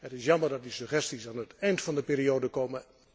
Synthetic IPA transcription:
ətɪsjɑməɹdɑt̚disøχɛstisaːnətɛjntfɑndəpiːɾiowdəkowmə

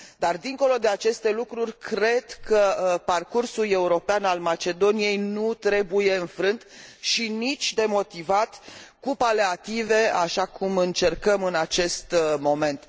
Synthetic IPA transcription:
d̪ard̪iŋko̞lo̞d̪e̞at͡ʃe̞st̪e̞lukɾurʲkɾe̞d̪kəparkursule̞uɾo̞peanalmat͡ʃe̞d̪o̞nije̞jnut̪ɾe̞buje̞ɨnfɾɨnt̪ʃinit͡ʃʲd̪e̞mo̞t̪ivat̪kupaleat̪ive̞aʃakʰumɨnt͡ʃe̞rkəmɨnat͡ʃe̞st̪mo̞me̞nt̪

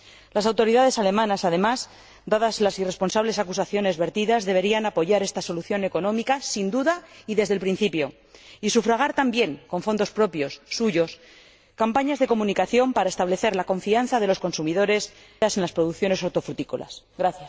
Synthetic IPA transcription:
lasawt̪o̞ɾiðaðe̞sale̞mãnasað̞e̞maz | d̪aðazlasire̞spo̞nsaβle̞sakusaθjo̞ne̞zβe̞ɾt̪iðazðe̞β̞e̞ɾianapo̞ʝaɾe̞st̪aso̞luθjo̞ne̞ko̞nõ̞mikasind̪uðaiðe̞zðelpɾin̟θipjo̞ | isufɾaɣ̞aɾt̪ambje̞ŋko̞ɱfo̞nd̪o̞spɾo̞pjo̞sːuʝo̞s | kampaɲazðe̞ko̞mũnikaθjo̞mpaɾae̞st̪aβle̞θe̞ɾlako̞ɱfian̟θaðe̞lo̞sko̞nsumiðo̞ɾe̞s | ase̞nlaspɾo̞ðukθjo̞neso̞ɾt̪o̞fɾut̪iko̰la̰s | ɣɾaθjas

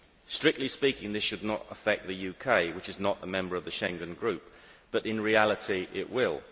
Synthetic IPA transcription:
stɹ̥ɪk̚tˡlispiˑkɪ̃ŋðɪsʃɨdⁿnəɾə̰fɛk̪̚ðɨjʉkʰeɪwɪt͡ʃɨznəʔðəmɛ̃mbə˞ʌvðəʃɛ̃ŋɡɨ̃nɡɹʉˑp̚b̥ʌɾɪ̃nɹialˠətʰiʔɪ̰ʔwɪlˠ

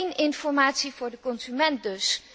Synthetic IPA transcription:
nɪnfɔɹmaːtsivʊːɹdəkɔnzymɛnt̚dɵs

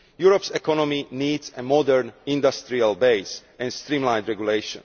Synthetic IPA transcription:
juɹɔpsɛkɔnɔminiːd̪zɛmɔd̪ɛɹnĩnd̪ast̪ɾialbeɪsɛ̃nst̪ɾĩmlãj̃nd̪ɹɛɡjuleɪʃɔ̰̃n

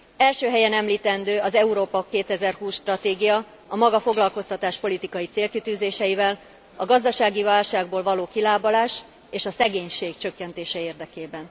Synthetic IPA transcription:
ɛlʃøːɦɛjɛnɛmliːt̪ɛnd̪øːɒzɛuɾoːpɒkeːt̪ɛzɛrɦuːsʃt̪rɒt̪eːɡijɒ | ɒmɒɡɒfo̞ɡlɒlko̞st̪ɒt̪aːʃpo̞lit̪ikɒjit̪seːlkit̪yːzeːʃɛjivɛl | ɒɡɒzd̪ɒʃaːɡivaːlʃaːɡ̚boːlvɒloːkilaːbɒlaːʃ | eːʃɒsɛɡeːɲʃeːkt͡ʃø̞kːɛnt̪eːʃɛeːrd̪ɛkeːbɛn

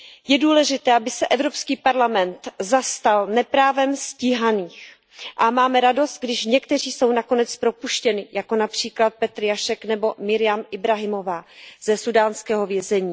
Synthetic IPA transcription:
jɛduːlɛʒɪt̪ɛːʔabɪsɛʔɛvɾo̞pskiːpaɾlamɛnt̪zast̪alnɛpɾaːvɛmscɪɦaniːx | ʔamaːmɛɾado̞st̪̚ɡdɪʃɲɛkt̪ɛr̝iːso̞wnako̞nɛt͡spɾo̞puʃcɛnɪjako̞napr̝̥iːklat̪̚pɛt̪ɾjaʃɛknɛbo̞mɪɾɪjamʔɪbɾaɦɪmo̞vaːz̥ɛsudaːnskɛːɦo̞vjɛzɛɲiː

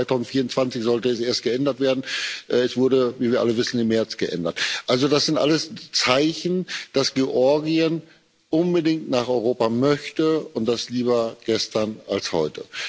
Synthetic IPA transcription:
aɪtʰaʊzn̩tfiːɐʊnt͡sv̥ant͡sɪçz̥ɔltəɛsʔeːɐst̚ɡ̥əɛndɐtv̥eːɐdn̩ʔɛɛsv̥ʊɐdəviːviːɐʔa̰ləvɪsn̩ɪmːɛɐt͡sɡ̥əʔɛ̰ndɐtʔalzodasz̥ɪntʔa̰ləst͡saɪçn̩d̥asɡ̥eʔɔɐɡiən | ʔʊnbədɪŋtnaːχɔʏʁ̞oːpamœçtəʊnt̚d̥asliːbɐɡ̥ɛstɐnalshɔ̰ʏtə

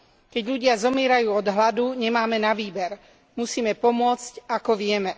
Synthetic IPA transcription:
kɛɟʎuɟɪazɔmɪɛːɾajuːɔd̪ɦlad̪uɲɛmaːmɛnaʋiːbɛɾ | musiːmɛpɔmʊɔt͡scakɔʋɪɛmɛ

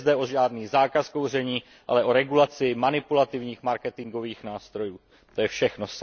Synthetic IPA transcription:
zdɛʔo̞ʒaːdniːzaːkaskowr̝ɛɲiː | ʔa̰lɛʔo̞ɾɛɡulat͡sɪmanɪpulat̪ɪvɲiːxmaɾkɛt̪ɪŋɡo̞viːxnaːst̪ɾo̞juː | t̪ojɛfʃɛxnos

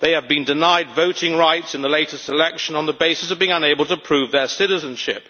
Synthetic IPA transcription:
ðeɪɨvbɨ̃ndɨnaɪdvoʊɾɪ̃ŋɹaɪtsɨ̃nðəleɪɾəsəlɛkʃɨ̃nə̃nðəbeɪsɨsʌvbiːɪ̃ŋʌ̃neɪbəlˠtʰəpʰɹ̥ʉvðə˞sɪɾɨzɨ̃nʃɪ̰p̚

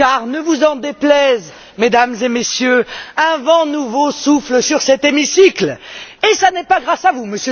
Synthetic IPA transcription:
aʁnəvuzɑ̃d̪eplɛz | med̪amzemesjøɛ̃vɑ̃nuvosufləsyʁsɛt̪emisiklesanɛpaɡʁasavuməsjə

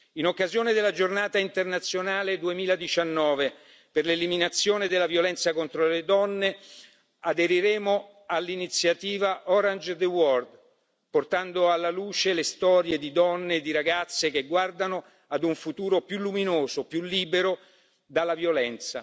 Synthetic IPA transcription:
inokːazjoːned̪elːad͡ʒornaːt̪aint̪ernat̪sːjonaːled̪uemiːlad̪it͡ʃanːɔːve | perleliminat̪sːjoːned̪elːavjolɛnt̪sakont̪ɾoled̪ɔnːe | ad̪eɾiɾeːmo | alːinit̪sjat̪iːvaʔɔɾand͡ʒd̪ewɔrd̪ | port̪and̪oalːaluːt͡ʃelest̪ɔːɾjed̪id̪ɔnːed̪iɾaɡat̪sːek̟eɡward̪ano | ad̪uɱfut̪uːɾopjulːuminoːzopjulːiːbeɾo | d̪alːavjolɛnt̪sa

